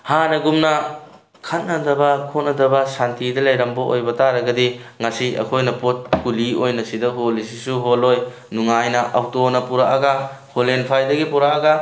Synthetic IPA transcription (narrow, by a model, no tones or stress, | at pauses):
hanɐɡumnɐ | kʰɐt̚nɐdɐbɐkʰotnɐdɐbɐsantidɐlɐjɾɐmbɐo̰jbɐtaɾɐɡɐdiŋasiɐ̰kʰojnɐpot̚kuliojnɐsidɐɦolisisuɦoloj | nuŋajnɐʔawtonɐpuɾaʔɐɡɐholenpʰajdɐɡipuɾaɐɡɐ